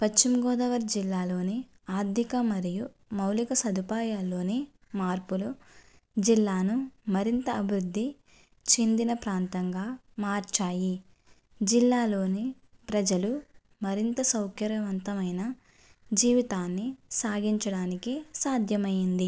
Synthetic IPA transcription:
pɐt͡ʃt͡ʃːimɡɔːd̪ɐʋɐɾd͡ʒilːaːlo̞ːne | aːd̪ʱikɐmɐɾiju | mɐwlikɐsɐd̪ʱupaːjaːlːo̞ːneː | maːɾpulu | d͡ʒilːaːnumɐɾint̪ɐːbʱiɾud̪ʱːi | t͡ʃe̞nd̪inɐpɾaːnt̪ɐŋɡaː | maːɾt͡ʃaːji | d͡ʒilːaːlo̞ːne | pɾɐd͡ʒɐlu | mɐɾint̪ɐsɐwkʰjɐɾɐʋɐnt̪ɐmɐjnɐ | d͡ʒiːʋit̪aːnːisaːɡiɲt͡ʃɐɽaːnikisaːd̪ʱjɐmɐjind̪i

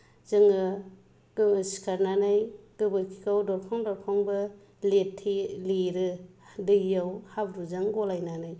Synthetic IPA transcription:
zɯŋɯ | ɡsi̥kʰaɾnanajɡ̥ɯbɯɾkʰikawdɔɾkʰaŋdɔɾkʰaŋbɯ | letʰːileɾɯdɯɡijawhabɾuzaŋɡɔlajnanaj

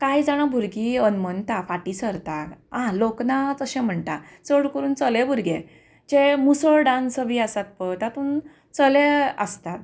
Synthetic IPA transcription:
kajd͡zaɽ̃abʱuɾɡiənmənt̪afaʈisəɾt̪akãloknat͡səɕɛ̃m̤əɳʈ̪a | t͡səɽkəɾuːnt͡səlebʱuɾɡẽ | d͡ʑemusəɭɖãnsəbiasat̪̚pət̪jat̪uːn | t͡səleəst̪at̪

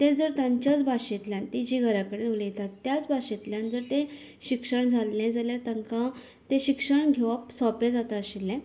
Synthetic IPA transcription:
t̪ẽd͡zəɾt̪ãɲt͡ɕjat͡sbʱaɕit̪ljãnt̪id͡ʑiɡʱəɾakəɽenolijet̪at̪ːjat͡sbʱaɕit̪ljãnd͡zəɾt̪ẽ | ɕikʂəɳd͡zʱalːɛ̃d͡zaljaɾt̪aŋkã | t̪ẽɕikʂəɳɡʱeʋapsɔpẽd͡zat̪aəɕilːɛ̃

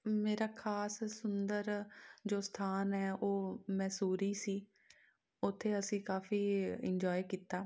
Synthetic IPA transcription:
meːɾaːkʰaːssʊnd̪əɾd͡ʒoːst̪ʰaːnɦɛːoːmɛːsuːɾiːsiː | ʊt̪ʰːeːəsĩːkaːfiːɪɲd͡ʒɔːikiːt̪aː

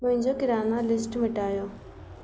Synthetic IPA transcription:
mʊ̃ɦɪ̃ɲd͡ʑoːkɪɾaːnalɪsʈmɪʈaːjoː

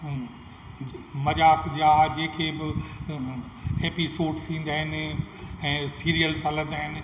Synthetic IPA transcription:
mɐd͡ʑaːkd͡ʑaːd͡ʑẽːkʰeːbɪ | eːpisoːɾɖst̪ʰĩːnd̪aːɦɪnɪ̆ɛ̃ːsiːɾijəlsalə̃nd̪aːɦɪnɪ̆

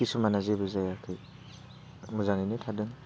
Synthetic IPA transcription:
kisumanazebɯzajakʰɯj | muzaŋinɯtʰadɯŋ

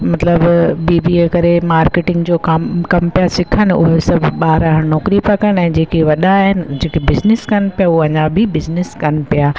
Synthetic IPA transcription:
mɐt̪ləbbiːbikɐɾemaːɾkeːʈɪ̃ŋɡd͡ʑoːkamkɐmpijasɪkʰənɪʊ̰ɦesɐbʱɓaːɾaɦnɔːkɾipakɐɽ̃ɛ̃ːd͡ʑeːkeʋɐɗaɦɪnɪ̆d͡ʑeːkebɪznɪskɐnpijaʊɐɲãbʱɪbɪznɪskɐnpijaː

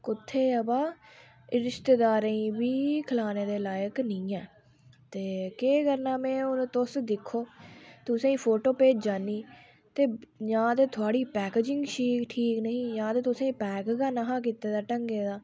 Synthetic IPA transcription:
kʊt̪ʰːeːəbaː | ɪɾɪʃt̪eːd̪aːɾẽĩːbiːkʰəlaːneːd̪eːlaːjəknĩːɛː | t̪eːkeːkəɾnaːmɛ̃ːʊnːt̪ʊsd̪ɪkʰːoːt̪ʊsãːĩːpʰoːʈoːpeːd͡ʒd͡ʒaːniː | t̪eːjãːt̪eːt̪ʰʊaːɽiːpɛːkeːd͡ʒɪ̃ŋɡʃiːkʈʰiːknəɦĩːjãːt̪eːt̪ʊsãːĩːpɛːkːɡaːnaɦãːk̬iːt̪eːd̪aːʈəŋɡeːd̪aː

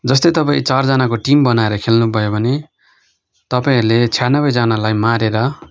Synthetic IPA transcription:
d͡zʌs̬t̪ʌjt̪ʌpaĩt͡sard͡zʌnakoʈimbʌnaeɾʌkʰelnubʱʌjobʱʌne | t̪ʌpaĩrlet͡sʰjanːʌbʌjd͡zanalajmaɾeɾʌ

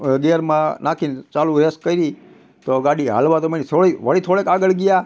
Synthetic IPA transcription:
ɡeɾmãnakʰint͡ʃalũɾeskkːəiɾi | t̪oɡaɽiɦa̰lʋat̪omenit̪ʰoɭiʋəɽit̪ʰoɽekaɡəɭɡija

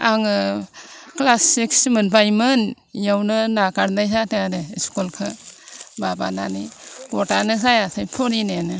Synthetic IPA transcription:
aŋɯ | klasiksmɯnbajmɯn | jawnɯnakaɾnajzateadeiskulkʰɯ | baba̰nanikɔtanɯz̬ajasʰajpʰɔɾinenɯ

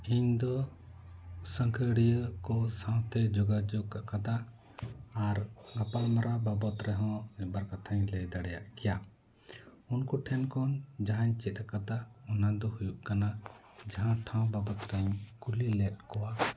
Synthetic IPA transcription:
iɲd̪ɔ | səŋkʰəɽijəkɔsãw̃t̪ɛd͡ʒɔɡad͡ʒɔɡ̚kaʔkat̪aː | ɾɡapalmaɾababɔt̪ɾɛɦɔ̃ɛbaɾkat̪ʰaɲləjd̪aɽɛja̰ʔkɛja | unkuʈʰɛnkɔnd͡ʒaɦaɲt͡ʃɛt̪̚ˀakad̪aɔnad̪ɔhujuʔkana | d͡ʒaɦãʈʰãw̃babɔt̪ɾaɲkulilɛt̪̚kɔwa

